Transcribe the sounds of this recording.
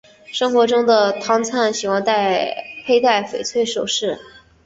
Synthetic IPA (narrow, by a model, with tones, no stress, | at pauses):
ʂɤ˥ŋxwɔ˧˥ʈ͡ʂʊ˥ŋd̪ə˨t̪ʰɑ˥ŋt͡sʰa˥˩nɕi˨˩wɑ˥˧nt̪a˥˩ɪpʰe˥ɪt̪a˥˩ɪfe˨˩ɪt͡sʰwe˥ɪʂo˨˩ʊʂɻ̩˥˩